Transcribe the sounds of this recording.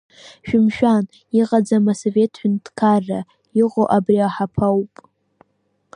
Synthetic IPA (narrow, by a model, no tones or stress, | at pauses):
ʃᶣɪmʃᶣan | iqʼad͡zamasove̞tʰħʷᶣʊntʰkʰarːa | iqʼoʔabriaħapʰawpʼ